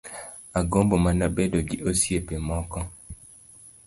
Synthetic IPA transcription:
aɡombomanabɛdoɡiʔosiepɛmɔkɔ

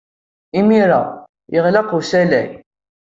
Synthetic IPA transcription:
imiɾa̰ | jʔəʁlɑqusælæj

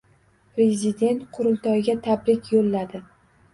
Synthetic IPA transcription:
pɾe̞zʲɪd̪e̞nt̪qʰʊɾʊlˠt̪ʰɒjɡʲat̪ʰabɾɪkʲjolːad̪ɪ

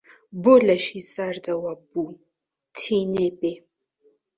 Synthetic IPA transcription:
bolaʃisaɾd̪ʼawabu | tʰinebe

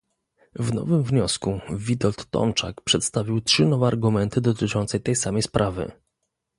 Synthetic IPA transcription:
vnɔ̰vɘmvɲɔskuvʲid̪ɔlt̪ːɔ̰mt͡ʂa̰kpʂɛt̪st̪avʲiwtʂɘnɔvɛaɾɡumɛnt̪ɘd̪ɔt̪ɘt͡ʂɔnt̪sɛt̪ɛjsamɛjspɾʔavɘ̰

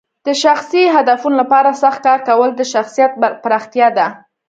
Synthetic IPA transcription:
d̪̥əʃaxsiɦad̪afunolapɑɾasaxt̪̚kɑɾkawəld̪əʃaxsijat̪̚pɾɑxt̪jɑd̪a

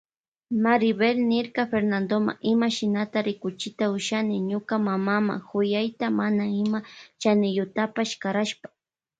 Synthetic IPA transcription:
maɾɪbelnɪɾkafeɾnand̪oma̰ʔɪmaʃɪnat̪aɾɪkʊt͡ʃɪt̪aʊʃanɪɲʊkamamama̰xʊjajt̪amanaɪmat͡ʃanɪjʊt̪apaʃkaɾaʃpḁ

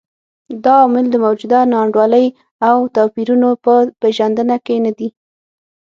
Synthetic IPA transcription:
d̪ɑːmɪld̪əmawd͡ʒud̪anɑɳɖwɑləj | awt̪ɑpiɾunopəpeʒand̪ənakenad̪i

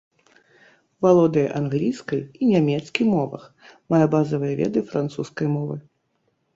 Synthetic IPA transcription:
valˠɔd̪ɨjɐʔanɣlʲijskɐjinʲamʲɛt̪skʲimɔvɐ̰x | majɛbazɐvɨjɐvʲɛ̰d̪ɨfɾant̪suskɐjmɔvɨ

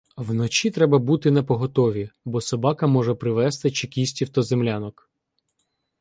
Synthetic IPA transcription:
wnɔt͡ʃit̪ɾɛbɐbut̪ɪnepɔɦɔt̪ɔʋʲibɔsɔbɑkɐmɔʒɛpɾɪʋɛst̪ɪt͡ʃekʲisʲtʲiwt̪ɐzemlʲanɔk

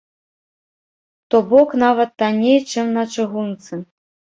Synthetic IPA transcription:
t̪ɔbɔknavɐt̪ːanʲejt͡ʂɨmnɐt͡ʂɨɣunt̪sɨ

